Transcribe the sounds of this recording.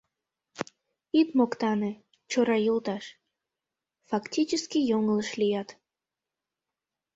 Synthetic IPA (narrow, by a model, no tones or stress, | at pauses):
it̪mokt̪ɑnɨ | t͡ɕoɾɑjulˠt̪ɑʃ | fɑktʲit͡ɕɪskʲijoŋlˠəʃlʲijɑt̪